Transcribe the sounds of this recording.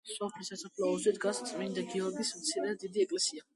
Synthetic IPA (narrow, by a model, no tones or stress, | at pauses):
sɔpʰlisasapʰlaɔswid̪ɡanst̪sʼminid̪aɡiɔɾɡismt̪sʰiɾɛd̪id̪iɛkʼlɛsia